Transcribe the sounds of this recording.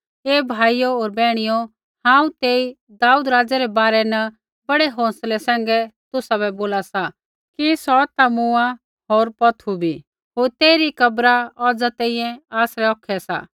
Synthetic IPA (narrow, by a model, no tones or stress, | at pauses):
eːbʱaːijooːɾbɛːɽ̃ijo | hãːũt̪eːi | d̪aːuːd̪ɾaːd͡zɛɾɛbaːɾɛnɐ | bɐɽeɦɔ̃ːslɛsɛ̃ːŋ̆ɡɛt̪ʊsabɛboːlasa | kisɔt̪amʊa | ɦoːɾpɐt̪ʰubʱiː | ɦoːɾt̪eːɾikɐbɾaɔːd͡zat̪ɛ̃ĩjɛ̃aːsɾɛɔːkʰɛsa̰ː